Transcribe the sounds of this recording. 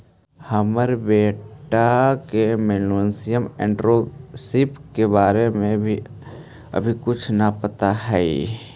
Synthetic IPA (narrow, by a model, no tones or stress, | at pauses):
həməɾbeːʈakemeːluənsɪjəmḛ̃ːɳɖɾosɪpkebaːɾemẽbʱi | ə̰bʱikʊt͡ʃʰnɐpət̪aɦɛ